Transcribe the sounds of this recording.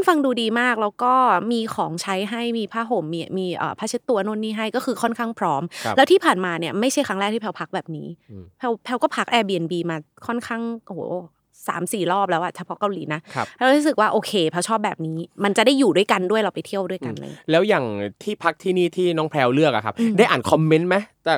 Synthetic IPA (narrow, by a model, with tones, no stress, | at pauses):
nfa˧ŋduː˧diː˧maː˥˩k̚lɛː˦˥wkɔː˥˩miː˧kʰɔː˩˦ŋt͡ɕʰa˦˥jɦa˥˩jmiː˧pʰaː˦˥ɦo˨˩˦mːiː˧miː˧ʔə̰ː˨˩pʰa˦˥t͡ɕʰːt̪ːu˧ɐnoː˥˩˨nːiː˥˩ɦa˥˩jkɔː˥˩kɯː˧kʰɔ˥˩nkʰaː˥˩ŋpʰɾɔː˦˥mlɛ˦wt̪ʰiː˥˩pʰaː˨˩nmaː˧ni˥˩ɐma˥˩jt͡ɕʰa˥˩jkʰɾa˦˥ŋɾɛː˥˩k̚t̪ʰiː˥pʰɛ˧wpʰa˦˥k̚bɛː˨˩p̚niː˦˥pʰɛ˧˥wpʰɛ˧wkɔː˥˩pʰa˦˥k̚ʔɛː˧biː˧ʔe˧nbiː˧maː˧ | kʰɔ˥˩nkʰaː˥˩ŋʔoː˨˦˧ | sa̰ː˩˦msiː˨˩lɔː˥˩p̚lɛː˦˥wʔa˨˩t͡ɕʰa˧pʰɔ˦˥ka˧wliː˩˦na˦˥˦ɛ˧˦˥ɾuː˦˥sɯ˨k̚waː˥˩ʔoː˧kʰeː˧pʰɛ˧˥wt͡ɕʰɔː˥˩p̚bɛː˨˩p̚niː˦˥ma˧nt͡ɕa˨˩daː˥˩jːuː˨˩du˥˩əjka˧ndu˥˩əjla˧wpa˧jt̪ʰi˥˩əwdu˥˩əjka˧nla̰˧˨˧lɛː˦˥wjaː˨˩ŋt̪ʰiː˥˩pʰa˦˥k̚t̪ʰiː˥˩niː˥˩t̪ʰiː˥˩nɔː˨˥ŋpʰlɛː˧wlɯ˥˩ək̚ʔa˨˩kʰa˦˥pda˥˩jʔaː˨˩nkʰɔ˧mːe˦˥nma˦˥t͡ɕ̪ɛː˨˩